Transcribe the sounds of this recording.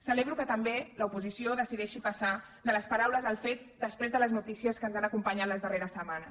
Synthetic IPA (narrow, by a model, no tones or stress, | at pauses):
səleβ̞ɾukət̪əmbeləupuzisioðəsiðɛʃipəsa | d̪ələspəɾawləzðəlˠfet̪d̪əspɾezðələznut̪isiəskənzanəkumpəɲat̪ləzðəreɾəsəmanəs